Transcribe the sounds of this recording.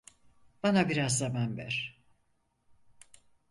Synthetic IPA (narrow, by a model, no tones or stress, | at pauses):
b̥anabiɾazːamanvæ̰ɾ̥